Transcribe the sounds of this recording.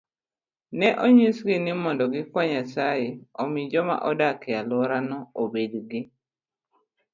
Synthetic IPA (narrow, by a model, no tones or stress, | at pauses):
nɛʔoɲisɡɪnɪmɔndɔɡɪkwaɲasajeomid͡ʒɔma̰ʔɔdakealwɔɾanɔobedɡɪ